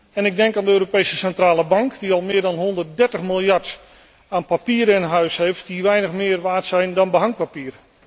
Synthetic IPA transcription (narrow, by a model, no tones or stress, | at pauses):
ɛnɪɡ̚dɛŋkaːndəøːɾopejsəsɛntraːləbɑŋkdiɑlˠmɪːɹdɑnɦɔndərt̚dɛɹtəχmɪlˠjɑɹt | aːnpapiːɾɪnəɦœɥsɦejft̚diʋɛjnəχmɪːrʋaːɹtsɛjndɑnbəɦɑŋ̚papiːər